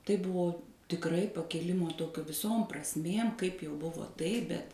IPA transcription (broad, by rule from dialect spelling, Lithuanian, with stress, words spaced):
tɐɪ ˈbʊʋoː tʲɪkˈrɐɪ pɐkʲɪˈlʲɪmoː ˈtoːkʲoː ʋʲɪˈsoːm prɐsʲˈmʲeːm kɐɪp jɛʊ ˈbʊʋoː ˈtɐɪp bʲɛt